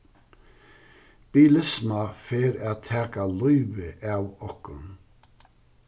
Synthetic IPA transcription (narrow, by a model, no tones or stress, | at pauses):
b̥iːlɪsmɑfeːɾæːt̪ʰæːkalɔʏʋəʔɑːwɔkʊn